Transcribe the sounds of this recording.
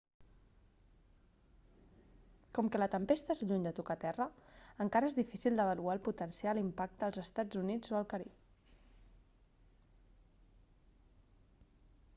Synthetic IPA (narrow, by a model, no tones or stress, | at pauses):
kɔmkələt̪əmpest̪əezʎuɲd̪ət̪ukət̪ɛrəəŋkaɾəezðifisilˠd̪əβəlualˠput̪ənsialimpak̚t̪əːlˠzəst̪ad͡zunid͡zoəlˠkəɾip